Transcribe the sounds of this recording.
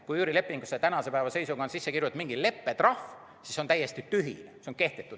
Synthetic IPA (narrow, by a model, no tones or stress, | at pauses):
kujuːɾile̞pːˑiŋɡuset̪ænɑse̞pæevɑse̞jsukon̥sisːekiɾjut̪ːmiŋɡ̥ile̞pːet̪rɑf | sisot̪æjːe̞st̪it̪yɦḭneseoŋke̞ht̪et̪ːˑud̪̥